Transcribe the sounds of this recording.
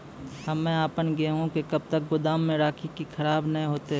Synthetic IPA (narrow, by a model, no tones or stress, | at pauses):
hɐmːɛ̃aːpənɡeɦũkekɐb̚t̪ək̚ɡʊd̪aːmːẽɾaːkʰikikʰɐɾaːbnɐɦĩɦoːt̪eɦ